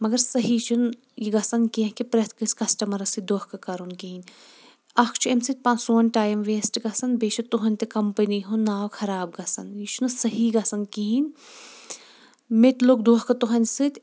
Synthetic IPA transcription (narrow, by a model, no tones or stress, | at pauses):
mɐɡɐɾsɐɦiːt͡ʃʰun | jiɡɐsɐnkiɐ̃ɦkipɾɐt̪ʰkɨsʲkɐsʈɐmɐɾɐsɨd̪oːhkɐkɐɾunkiɦinʲ | ɐkʰt͡ʃʰuemsɨt̪̚ʲpɐ̃nsoːnʲʈaːjɐmʋeːsʈɡɐsɐnbeːt͡ʃʰɐt̪uɦɐnʲt̪ekɐmpəniɦunːaːwkʰɐɾaːb̚ɡɐsɐnjit͡ʃʰunɐsɐɦiːɡɐsɐnkiɦinʲ | met̪ʲloːkd̪oːhkɐt̪uɦɐnʲsɨt̪ʲ